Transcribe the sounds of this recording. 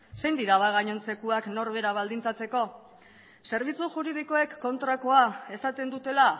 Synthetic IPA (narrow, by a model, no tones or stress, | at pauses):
se̞jnd̪iɾaβaɣaɲo̞nse̞kuakno̞ɾβe̞ɾaβ̞ald̪int͡sat͡se̞ko̞ | se̞ɾβ̞it͡suʝuɾið̞iko̞e̞kːo̞nt̪ɾako̞ae̞sat̪e̞nd̪ut̪e̞la